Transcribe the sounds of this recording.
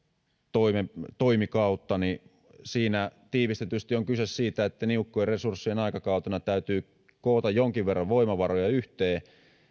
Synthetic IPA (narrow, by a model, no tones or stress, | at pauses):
t̪oimet̪oimikɑut̪ːɑni | siːnæt̪iːʋist̪et̪yst̪ioŋkysessiːt̪æet̪ːæniukːoeresursːienɑikɑkɑut̪enɑt̪æyt̪yː | koːt̪ɑjjoŋkiʋʋerːɑʋʋoimɑʋɑrojɑyht̪eː